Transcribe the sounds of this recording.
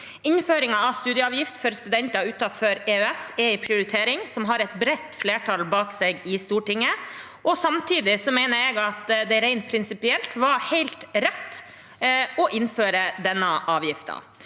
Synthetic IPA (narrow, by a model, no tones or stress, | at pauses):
ɪnføːɾɪŋɑɑʋst̪ʉːd̪ɪəɑːʋjɪft̪fɔɾst̪ʉd̪ɛnt̪ɑʉːt̪ɑføɾeːœɛsɛɪpʰɾɪʊɾɪt̪ʰeːɾɪŋsɔmɦɑɾɛt̪bɾɛt̪ːfleːʈʰɑlbɑːkseɡɪst̪uːʈɪŋːə | ʔɔsɑmt̪ʰiːd̪ɪsɔmɛɪnəɾɛɡɑt̪d̪ɛɾɛɪnpʰɾɪnsɪpɪɛlt̪ʋɑhæɪlt̪ɾɛt̪ː | ɔʔɪnføːɾəd̪ɛnːəʔɑːʋjɪft̪ɑ̰